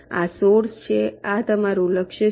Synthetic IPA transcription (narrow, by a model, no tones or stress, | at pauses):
a̰soɾst͡ʃʰeat̪əmaɾũləkʃə